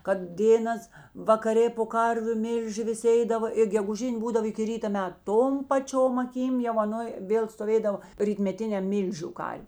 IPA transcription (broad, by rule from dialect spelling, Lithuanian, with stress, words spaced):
kɐt ˈdʲeːnɐs ʋɐkɐˈrʲeː poː ˈkɐrʲʋʲʊ ˈmʲɪlʲʒʲɪ ʋʲɪˈsʲɪ ˈɛɪdɐʋɐ ɪr ɡʲɛɡʊˈʒʲɪnʲ ˈbuːdɐw ɪkʲɪ ˈrʲiːtɐ ˈmʲɛt ˈtoːm pɐˈt͡ʃʲoːm ɐˈkʲiːm jɛʊ ɐˈnoːj ˈʋʲeːlˠ stoːˈʋʲeːdɐʋoː rʲiːtʲmʲɛˈtʲɪnʲɛm ˈmʲiːlʲʒʲʊ ˈkɐrʲ